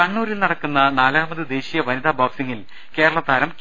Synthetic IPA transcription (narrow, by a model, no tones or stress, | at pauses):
ɐɳːuːɾilnɐɽɐkːunːɐnaːlaːmɐðɨd̪e̞ːɕijɐʋɐnid̪aːbaːksiŋːil | ke̞ːɾɐɭɐt̪ːaːɾɐm